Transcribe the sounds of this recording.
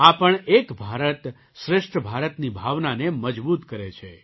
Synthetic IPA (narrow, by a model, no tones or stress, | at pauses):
apəɳekbʱaɾət̪ | ʃɾɪʂʈʰəbʱaɾət̪nibʱaʋnaneməd͡ʒbut̪kəɾet͡ʃʰe